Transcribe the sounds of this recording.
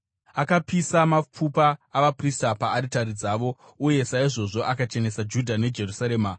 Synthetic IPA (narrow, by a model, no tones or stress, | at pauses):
akapisamap͡fupaːʋapristapaːɾitaɾid͡zaːʋo̞ | uje̞saiʐo̞ʐo̞ʔakat͡ʃe̞ne̞sad͡ʒudʱane̞d͡ʒe̞rusaɾe̞ːma